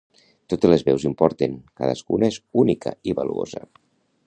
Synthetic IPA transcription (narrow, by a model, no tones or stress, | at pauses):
t̪ot̪elezβɛwzimpɔɾt̪eŋka̰ðə̰skunaezunikʰəiβaluo̰zə̰